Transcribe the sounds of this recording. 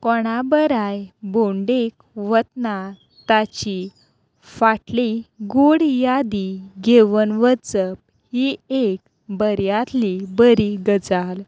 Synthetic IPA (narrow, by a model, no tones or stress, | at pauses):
kɔɽ̃abəɾajboɳɖek̚ | ʋət̪na | t̪at͡ɕi | faʈliɡoɽjad̪iɡeʋənʋət͡səp̚ | hiek | bəɾjat̪libəɾiɡəd͡zal